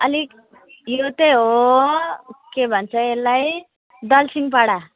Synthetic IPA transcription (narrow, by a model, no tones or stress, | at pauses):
ʌli | jot̪eɦo | kebʱʌnt͡sʰʌelːaj | d̪ʌlsiŋɡpaɽa